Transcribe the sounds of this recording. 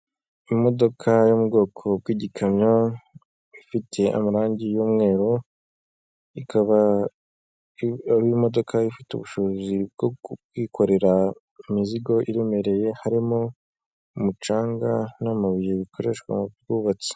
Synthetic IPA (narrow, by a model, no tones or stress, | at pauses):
imo̞do̞kʰajomubɡo̞ːkʰo̞bwiːɟikʰamɲa | ifitʰe̞ʔa̰maɾaːɲɟijuːmŋe̞ːɾo | ikʰaβa | βimo̞do̞kʰaifiteṵβuʃozib̚ɡoɡiːkʰo̞ɾe̞ɾa | imiziɡo̞ʔiɾe̞me̞ɾe̞je̞haɾimo | umut͡ʃaːŋɡanamaβijeβikʰoɾe̞̰ʃkwa̰muɡuːβat͡si̥